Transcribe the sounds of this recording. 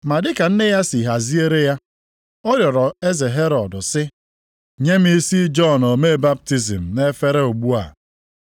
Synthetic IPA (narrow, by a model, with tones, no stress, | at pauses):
ma˨dɪ˦ka˨n̩˦ne˦ja˦si˨ɦa˨zi˦e˦ɾe˦ja˦ | ɔ˦ɾjɔ˨ɾɔ˨e˦ze˨ɦe˦ɾɔ˨dʊ˨sɪ˦ | ɲe˦m̩˦i˦si˦d͡ʒɔ˦no˨me˦˨ba˦p̚ti˦zḭ˨m̩˨ne˦fe˦ɾe˦u˨ɡ͡bu˦a̰˨